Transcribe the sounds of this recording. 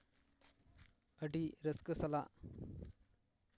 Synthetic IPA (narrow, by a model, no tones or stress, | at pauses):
əɖiɾəskəsɐla